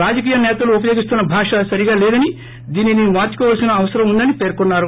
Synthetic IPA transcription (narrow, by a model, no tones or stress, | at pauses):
ɾaːd͡ʒɐk̬iːjɐnɛːt̪ɐluːp̬ɐjo̞ːɡist̪unːɐbʱaːʂɐsɐɾiɡaːlɛːd̪ɐni | d̪iːninimaːɾt͡ʃːu̥kɔːʋaːlsinɐːʋɐsɐɾɐmund̪ɐnipe̞ːɾkunːaːɾu